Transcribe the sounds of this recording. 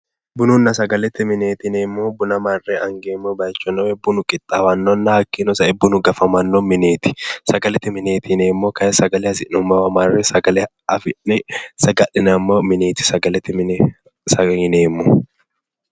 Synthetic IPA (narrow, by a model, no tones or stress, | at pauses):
bʊnʊnːɐsɐɡɐlɛt̪ːɪmɪneːt̪ɪneːmːubʊnɐmɐrːɛɐŋɡeːmːobɐjt͡ʃːɔnːɔwɛbːʊnʊkʼɪt̪ʼːawɐnːɔnːɐhɐkːinɔsɐɛbːʊnʊɡɐfɐmɐnːomɪneːt̪ɪ̥sɐɡɐlɛt̪ːɪmɪneːt̪ɪneːmːoːkɐɛsɐɡɐlɛɐsɪnʊmɐwɐmɐrːɛsɐɡɐlɛ | ɐfɪnɛsɐɡɐʔɪnɐmːomɪneːt̪ɪ̥sɐɡɐlɛt̪ːɪɪ | sɐhɪneːmːʊ